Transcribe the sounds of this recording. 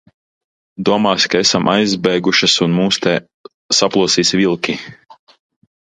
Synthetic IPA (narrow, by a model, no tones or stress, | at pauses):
d̪uɔmaːskaesamʔajzbɛjɡuʃɐsunmuːst̪ɛ | saplˠuɔsiːsvilˠkʲi